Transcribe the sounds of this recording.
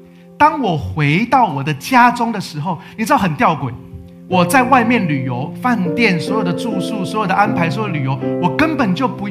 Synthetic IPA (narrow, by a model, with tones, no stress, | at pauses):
t̪ɑ˦ŋwɔ˨˩xwe˧˦ɪt̪ɑ˥˩ʊwɔ˨˩d̪ə˦t͡ɕja˦ʈ͡ʂʊ˥ŋd̪ə˨ʂɻ̩˧˥xo˥˨ʊni˨ʈ͡ʂɻ̩˥d̪xə˨nt̪jɑ˥˩ʊkwe˨˩ɪ | wɔ˨˩t͡sa˥˧ɪwa˥˧ɪmjɛ˥˨nly˨˩jo˧˦ʊfa˥˧nt̪jɛ˥˩˨nswɔ˧˥jo˨˩ʊd̪ə˦t͡su˥˧su˥˩swɔ˧˦˥jo˨˩ʊd̪ə˦ʔa˥npʰa˧ɪswɔ˧˥jo˨˧˩əly˨˩jo˧˦ʊwɔ˨˩kə˦npə˨˩nt͡ɕjo˥˩ʊpu˧˦